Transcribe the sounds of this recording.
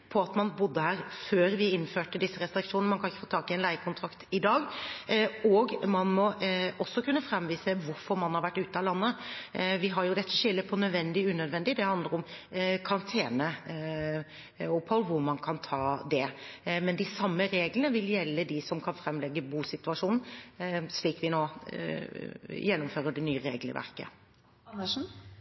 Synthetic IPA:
pʰɔɑt̪mɑnbʊd̪ːəhæːɾføːɾʋɪɪnføːʈəd̪ɪsːəɾɛst̪ɾɪkʂuːnnəmɑnkʰɑnɪçːə̥foːt̪ʰɑːkɪɛnlæɪkʰʊnt̪ʰɾɑkt̪ɪd̪ɑːɡ | ɔɡmɑnmɔɔsːɔkʉnːəfɾɛmʋiːsəʋʊɾfɔɾmɑnhɑɾʋæʈːʉːt̪əɑlɑnːəʋɪɦɑɾjʊd̪ɛt̪ʰːəʃɪlːəpʰɔnœd̪ʋɛnd̪ɪʉːnœd̪ʋɛnd̪ɪd̪ɛhɑnd̪ləɾʊmkʰɑnt̪ʰeːnə | ʊpʰhɔlːʋʊɾmɑnkʰɑnt̪ʰɑːd̪ɛmɛnd̪ɪsɑmːəɾeːɡlənəʋɪljɛlːəd̪ɪsɔmkʰɑnfɾɛmlɛɡːəbuːsɪt̪ʉɑʂuːnn̩sliːkʋɪnoː | jɛnːʊmføːɾəɖɛnyːəɾḛːɡlə̰ʋæ̰ʁkə̰ | nəʂn̩

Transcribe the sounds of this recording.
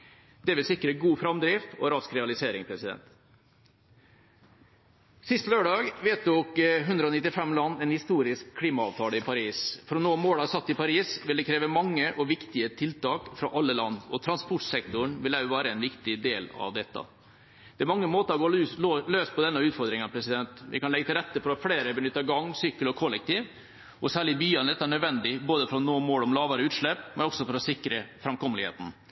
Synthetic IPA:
d̪̥ɛʋɪlsɪkːəɾəɡuːfɾɑmd̪ɾiːft̪ɔɾɑskɾɛɑlɪseːɾɪŋpʰɾɛsɪd̪ɛ̰nt̪ | sɪst̪løːɖɑːɡʋeːt̪ʊkɦʉnd̪ɾəɔnɪt̪ːɪfɛmlɑnːɛnhɪst̪uːɾɪskʰːliːmɑɑːʋt̪ʰɑːləɪpʰɑɾiːsfɾɔnoːmoːɽɑːɡsɑt̪ːɪpɑɾiːsʋɪld̪ɛkʰɾeːʋəmɑŋːəʔɔʋɪkt̪ɪət̪ʰɪlt̪ɑːkfɾɑʔɑlːəlɑnːɔ̰t̪ʰɾɑnspɔʈsɛkt̪ʊɳʋɪlæʋæːɾəɛnʋɪkt̪ɪd̪eːlɑ̰ʋd̪ɛt̪ːɑ̰ | d̪̥ɛæɾmɑŋːəmoːt̪əɾɔɡoːoløːs̚pʰɔd̪ɛnːɑʉːt̪fɔɾd̪ɾɪŋɑpʰɾɛsɪd̪ɛnt̪ʋɪ̰kɑnlɛɡːt̪ɪlɾɛt̪ːəfɔɾɔfleːɾəbənʏt̪ːɑɡɑŋːsyːkːəlɔkʰɔlːɛk̚t̪ʰiːʋ | ʔɔsæːɭɪbyːɑnd̪ɛt̪ːɑæɳœd̪ʋɛnd̪ɪboːd̪əfɔɾɔnoːmoːlɔmlɑːʋəɾəʉːt̪ʂɭɛpmɛnɔksɔfɔɾɔsɪkːɾəfɾɑɛmkʰɔməlɪhḛːt̪n̩

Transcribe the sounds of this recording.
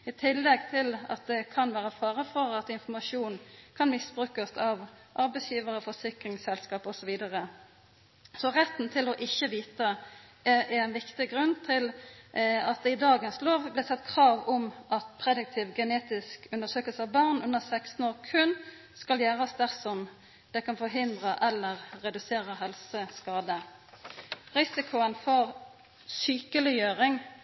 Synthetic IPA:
ɪt̪ʰɪlːɛɡ̚t̪ʰɪlɑ̰t̪̚d̪ɛkʰɑnʋæːʁəfɑːʁəfɔʁɑt̪ɪnfɔmɑʂuːnkʰɑnmɪsbʁʉːkəsɑʋ | ʔɑʁbɛɪsjiːʋəʁəfɔsɪkʁɪŋsɛlskɑːpɔsɔʋiːd̪əʁə | sɔʁɛt̪ːn̩t̪ʰɪlɔʔɪçːəʋiːt̪ə | ʔɛɛnʋɪkt̪ɪɡʁʉnːt̪ʰɪl | ɑt̪̚d̪ɛɪd̪ɑːɡənsloːʋblɪsɛt̪ːkʰʁɑːʋɔmʔɑt̪pʰʁɛd̪ɪk̚t̪ʰɪʋɡɛneːt̪ɪskʉnd̪əʁsøːkəlsəɑʋbɑʁnʉnəʁsækst̪n̩oːʁkʰʉn | skɑljæːʁəsd̪æʁsɔm | d̪̥ɛkɑnfɔʁɦɪnd̪ʁəʔɛlːəʁːɛd̪ʉseːʁəɦɛlsəskɑːd̪ə | ʁɪsɪkʰʊənfɔʁ | syːkəlɪjøːʁɪŋ

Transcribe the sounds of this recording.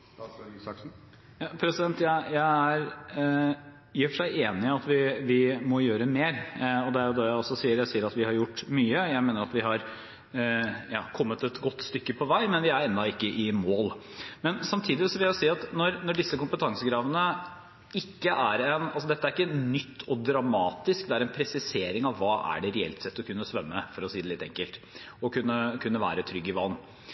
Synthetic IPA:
k | jɑːpʰɾɛsɪd̪ɛnt̪jæɪjæɪæɾ | jiːfɔʂæɪeːnɪɑt̪ʋɪʋɪmɔjøːɾəmeːɾɔd̪ɛæɾjʊd̪ɛjæɪɔsːɔsiːəɾjæɪsiːəɾɑt̪ʋɪhɑɾjʊʈːmyːəjæɪmeːnəɾɑt̪ʋɪɦɑɾ | jɑ̰ːkʰɔmːət̪ɛt̪ɡɔt̪ːst̪ʏkːəpʰɔʋæɪmɛnʋɪæɾɛnd̪ɑɪkːəʔɪmoːl | mɛnsɑmt̪ʰiːd̪ɪsɔʋɪljæʊsiːɑt̪nɔɾnɔɖɪsːəkʊmpət̪ʰɑŋsəɡɾɑːʋənə | ɪkːəʔæɾɛnɑlsɔd̪ɛt̪ːəæɾɪkːənʏt̪ʰːɔd̪ɾɑmɑːt̪ɪskd̪ɛæɾɛnpʰɾɛsɪseːɾɪŋɑʋːɑːʔæ̰ɖɛɾɛɛ̰lt̪sɛt̪ːɔkʰʉnːəsʋɛmːəfɔɾɔsiːd̪ɛlɪt̪ːɛ̰ŋkəlt̪ | ɔkʉnːəkʰʉnːəʋæ̰ːɾət̪ʰɾʏɡːɪʋɑln

